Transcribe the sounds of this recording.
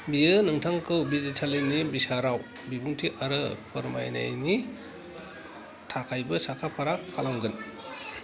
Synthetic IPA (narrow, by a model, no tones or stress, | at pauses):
biɯnɯmtʰaŋkʰɯwbizitʰalinibisaɾaw | bibuŋtʰiʔaɾɯpʰɯɾma̰jna̰jni | tʰakʰajbɐsakʰapʰaɾakʰalaŋɡɯn